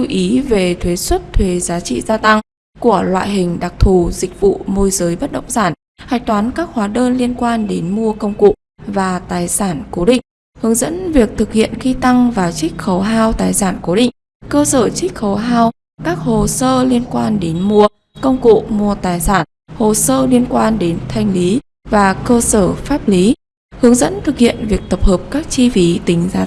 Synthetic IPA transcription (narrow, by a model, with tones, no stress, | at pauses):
u˧ʔi˨˦ve˨˩t̪ʰwe˨˦swə˦˥t̚t̪ʰwe˨˦zaː˨˦t͡ɕḭ˧˨zaː˧t̪a˧ŋ | ku˧˩əlwa̰ː˧˨jɦï˨˩ŋ̟ɗa˨˩k̚t̪ʰu˨˩zï˨˩k̟̚vṵ˧˨mo˧jzəː˨˦jɓə˦˥t̚ɗə̰˧˨ŋ͡msaː˧˩n | ha̰ː˧˨jt̪waː˨˦nkaː˦˥k̚hwaː˨˦ɗəː˧nli˧ənkwaː˧nɗe˨˦nmu˧əkə˧wŋ͡mkṵ˧˨ | vaː˨˩t̪aː˨˩jsaː˧˩nko˨˦ɗḭ̈˧˨ŋ̟ | hɨ˨˦əŋzə̰˧˥nvi˨˩ək̚t̪ʰɨ˨˩k̚hḭ˧˨ənxi˧t̪a˧ŋvaː˨˩t͡ɕi˦˥k̟̚xə˨˦wɦaː˧wt̪aː˨˩jsaː˧˩nko˨˦ɗḭ˧˨ŋ̟ | kəː˧səː˧˩t͡ɕï˦˥k̟̚xə˨˦wɦaː˧w | kaː˦˥k̚ho˨˩səː˧li˧ənkwaː˧nɗe˨˦nmu˧ə | kə˧wŋ͡mkṵ˧˨mu˧˩ət̪aː˨˩jsaː˧˩n | ho˨˩səː˧li˧ənkwaː˧nɗe˨˦nt̪ʰa˧jŋ̟li˨˦ | vaː˨˩kəː˧səː˧˩faː˦˥p̚li˨˦ | hɨ˨˦əŋzə̰˧˥nt̪ʰɨ˨˩k̚hḭ˧˨ənvi˨˩ək̚t̪ə˨˩p̚həː˨˩p̚kaː˦˥k̚t͡ɕi˧fi˨˦t̪ï˨˦ŋ̟zaː˨˦